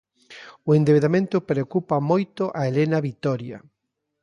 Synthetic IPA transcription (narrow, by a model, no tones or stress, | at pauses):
ʊend̪eβeðamẽnt̪ʊpɾeokupɐmojt̪ʊʔaelenɐβit̪ɔɾjɐ̰